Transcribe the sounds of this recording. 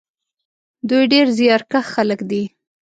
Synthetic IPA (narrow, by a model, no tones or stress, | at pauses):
d̪ujɖeɾzjɑɾkaxxaləkd̪i